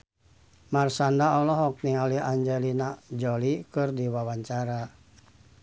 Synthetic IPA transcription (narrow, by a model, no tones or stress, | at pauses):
marsandaɔlɔɦɔk̚niŋaliaɲd͡ʒɛlinaʔd͡ʒɔlikɨrdiwawaɲt͡ʃaɾa